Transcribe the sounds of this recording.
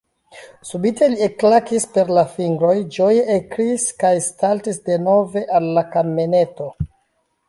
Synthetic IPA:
subitʰe̞lieklakispe̞ɾlafiŋɡɾo̞jd͡ʒo̞jeʔekɾiskajstaltisde̞no̞ve̞ʔalːakamene̞to̞

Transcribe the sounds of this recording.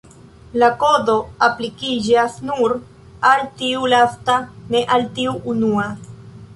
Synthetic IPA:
lako̞do̞aplikid͡ʒasnuɾ | altiulastane̞ʔaltiuʔːnua

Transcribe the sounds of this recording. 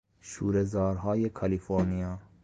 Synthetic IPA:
ʃuːɾezɒːɾɦɒːjekʰɑlifoɾnijɒː

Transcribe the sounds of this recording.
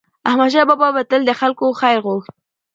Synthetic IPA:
ahmad̪ʃɑbɑbɑbat̪əld̪əxalkoxajɾɣoxt̪̚

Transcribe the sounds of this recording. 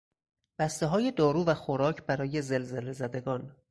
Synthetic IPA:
b̥æst̪eɦɒːje̞d̪ɒːɾuːvæxoɾɒːcʰbæɾɒːje̞zelzelezæd̪e̞ɡɒːn

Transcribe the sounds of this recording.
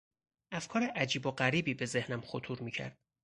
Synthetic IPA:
ʔæfkʰɒːɾeʔæd͡ʒiːboɢæɾiːbiːbe̞ze̞hnæmχot̪ʰuːɾmiːcʰæ̰ɾd̪̥̚

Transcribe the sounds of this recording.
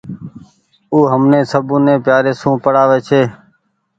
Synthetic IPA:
uːɦəmnẽːsəbũːnẽːpjaːɾeːsũːpəɽaːʋeːt͡ʃʰeː

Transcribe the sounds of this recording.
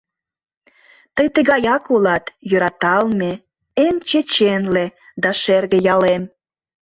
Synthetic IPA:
t̪əjt̪eɣɑjɑkulɑt̪jøɾɑt̪ɑlme | emt͡ɕet͡ɕenled̪ɑʃerɣejɑlem

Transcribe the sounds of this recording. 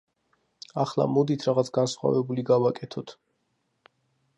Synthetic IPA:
aχlˠa̰mɔd̪it̪ʰɾaʁat̪sʰɡansχwa̰vɛbuliɡavakʼɛt̪ʰɔt̪ʰ

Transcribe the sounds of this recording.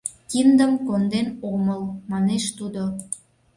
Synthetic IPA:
kind̪əmkond̪enoməlmɑneʃt̪ud̪o

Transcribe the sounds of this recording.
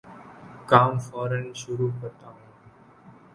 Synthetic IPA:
kaːmfɔːɾənʃʊɾuːkəɾt̪aːɦũː

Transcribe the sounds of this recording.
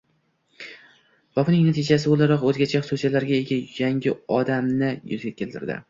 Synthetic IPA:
v̥ɒfnɪŋnat̪ʰɪd͡ʒas̬ɪbolˠaɾɒqɵzɡʲat͡ʃʰaχʊsusijalaɾɡʲaeɡʲajaŋɡʲɪɒd̪amnɪjʊ̰zɡʲakʲʰe̞lt̪ʰɪɾd̪ɪ̰

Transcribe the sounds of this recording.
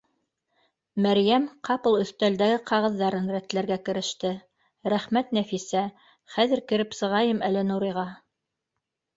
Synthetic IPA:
mæɾjæmqʰɑpɤlˠɵ̆θt̪æld̪æɡɘqʰɑʁɤ̆ðːɑɾɤnɾæt̪læɾɡækɘ̆ɾɘ̆ʃt̪ɘ | ɾæχmæt̪næfisæ | χæðɘ̆ɾkɘ̆ɾɘpsɤ̆ʁɑjɤmælɘnuɾiʁɑ

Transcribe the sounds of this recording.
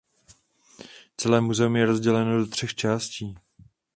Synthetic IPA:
t͡sɛlɛːmuzɛumjɛɾo̞zɟɛlɛnodot̪r̥ɛxt͡ʃaːsciː

